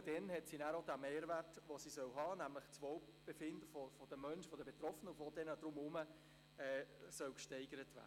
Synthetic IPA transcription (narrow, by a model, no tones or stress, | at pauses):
d̥ɛnhɛtsinæːɾodæmeːɾʋærtʋosisœwɦɑːnæmləχt͡sʋoʊb̥efɪndəfɔfɔd̥əmœnʃəfɔdəbet̪ɾɔfənəʊfʋod̥ɛnəd̥ɾʊmʊmə | ɛːsœwkʃtɛɪɡəɾətʋæ̰ːə